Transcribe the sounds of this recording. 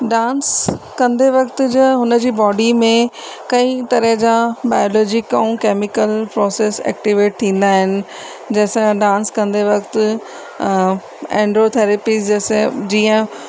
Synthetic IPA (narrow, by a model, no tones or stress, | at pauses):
ɖãːns | kɐ̃nd̪eʋɐkt̪ʊd͡ʑɐɦʊnəd͡ʑiːbɔːɖimẽ | kɐ̃ĩt̪ɐɾəɦd͡ʑabaːɪjoːlɔːd͡ʑɪkaũkeːmɪkəlpɾɔːseːsɛ̰ːk̚ʈiʋeːʈ̚t̪ʰĩːn̆d̪aːɦɪnɪ̆ | d͡ʑɐɦsãɖãːnskɐ̃nd̪eʋɐkt̪ʊ | ɛ̃ːɳɖɾot̪ʰeːɾepizd͡ʑeːsed͡ʑiːə̃